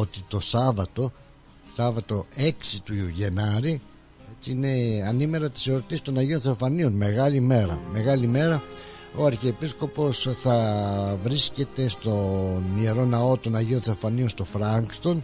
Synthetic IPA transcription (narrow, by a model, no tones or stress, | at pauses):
ot̪it̪o̞sɐvɐt̪o̞ | sɐvɐt̪o̞e̞ksit̪uʝe̞nɐɾi | e̞t͡siine̞ɐnime̞ɾɐt̪i̥seɾot̪isist̪o̞nɐʝio̞nθe̞ofɐnio̞nme̞ɣɐlime̞ɾɐ̰me̞ɣɐlime̞ɾɐ | o̞ɐɾçiepisko̞po̞sθɐvɾisce̞t̪e̞st̪o̞nieɾo̞nɐo̞t̪o̞nɐʝio̞nθe̞ofɐnio̞nst̪o̞fɾɐŋkst̪o̞n